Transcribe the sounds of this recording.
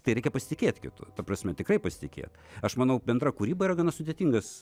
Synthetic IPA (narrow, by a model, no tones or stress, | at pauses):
t̪ɐɪɾʲɛɪkʲɛpɐsʲɪ̥t̪ʲɪkʲeːt̪ʲkʲɪ̰t̪ʊ̰t̪ɐprɐsʲmʲɛt̪ʲɪkrɐɪpɐsʲɪt̪ʲɪkʲḛːt̪ | ɐʃmɐnɐʊbʲɛnd̪rɐkuɾʲiːbɐiːɾɐɡɐnɐsʊd̪ʲet̪ʲiŋɡɐs